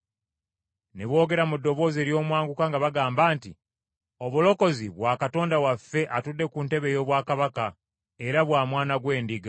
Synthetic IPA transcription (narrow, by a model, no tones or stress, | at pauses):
ne̞βwo̞ːɡe̞ɾamudːo̞βo̞ːze̞ɾjo̞ːmwaːŋɡukaŋɡaβaɡaːmbaːnti | oβulo̞ko̞ziβwaːkato̞ːndawafːe̞ʔatudːe̞kuːnte̞βe̞jo̞ːβwaːkaβaka | e̞ɾaβwaːmwaːnaɡwe̞ːndiɡa